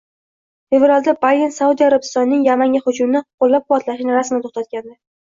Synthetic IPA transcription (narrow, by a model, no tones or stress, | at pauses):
fe̞vɾald̪abaensaud̪iaɾabɪst̪ɒnːɪŋjamaŋɡʲaχʊt͡ʃʊmnɪqʰolːap̚qʰʊvɒt̪laʃɪnɪɾasmnɪt̪ʰoχt̪at̪̚kʲand̪a